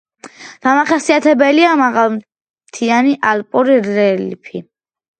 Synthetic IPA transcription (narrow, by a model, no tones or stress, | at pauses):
d̪̥amaχɛsiat̪ʰɛbɛliamaʁalˠm | t̪ʰianiʔalˠpʼuɾiɾɛlpʰi